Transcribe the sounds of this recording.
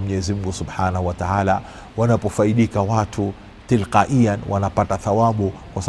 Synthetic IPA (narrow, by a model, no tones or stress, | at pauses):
m̩uɲɛzimuɡusubħaːnahuwataaːla | wanapɔfaiɗikawatʰu | tilqaʔijanwʔa̰napataθawaɓu | kwas